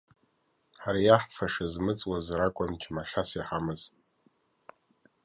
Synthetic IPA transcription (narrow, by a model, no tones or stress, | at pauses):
ħaɾajaħfʰaʂɨzmɨt͡sʼwazrakʷʼʊnt͡ʃʰmaʃʲasiħamɨz